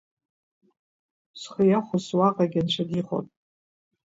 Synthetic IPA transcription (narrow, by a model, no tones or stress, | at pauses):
sχəjaχʷʊzwaqʼaɡʲant͡ʃʷʰadiχo̰tʼ